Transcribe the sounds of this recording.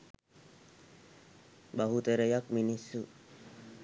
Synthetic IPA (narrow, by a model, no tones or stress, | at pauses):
baɦut̪əɾəjak̚minisːu